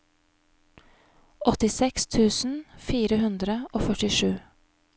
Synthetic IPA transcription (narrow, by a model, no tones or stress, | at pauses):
ʔɔt̪ɪsɛkst̪ʰʉːsn̩fiːɾəhʉnd̪ɾəʔoːfœʈɪʃʉː